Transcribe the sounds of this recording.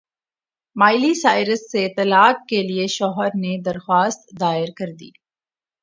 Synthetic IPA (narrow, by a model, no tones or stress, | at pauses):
maːɪlisaːɪɾəsːet̪ɐlaːkkelieʃɔːɦəɾned̪ɐɾxwaːst̪d̪aːɪɾkɐɾd̪ḭː